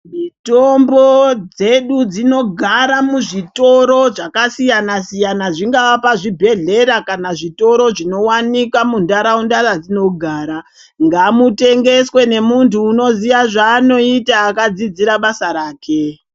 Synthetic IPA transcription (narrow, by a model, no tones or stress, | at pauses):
mitombod͡ze̞ɗud͡zino̞ɡʱaɾamuʐito̞ɾo̞ʐakasijanasijanaʐiŋɡawapaʐibʱe̞ɮe̞ɾakanaʐito̞ɾo̞ʐino̞wanikwamundaɾaundaɾad͡zino̞ɡʱaːɾa | ŋɡamute̞ŋɡe̞swe̞ne̞muntuːno̞ziʋaʐaːno̞itaːkad͡zid͡ziɾaɓasaɾaːkʰe̞